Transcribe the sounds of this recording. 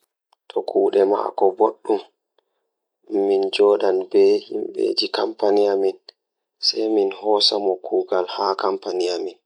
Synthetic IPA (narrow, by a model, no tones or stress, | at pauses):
tʰɔkʰuːɗɛma̰kɔboɗːum | ind͡ʒɔːɗanbɛhimbḛd͡ʒikampanijamin | sɛjminhɔːsamɔkʰuːɡalhakampanijamin